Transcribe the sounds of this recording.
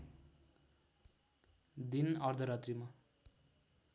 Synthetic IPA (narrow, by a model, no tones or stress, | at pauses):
d̪inʌrd̪ʱʌɾʌt̪rima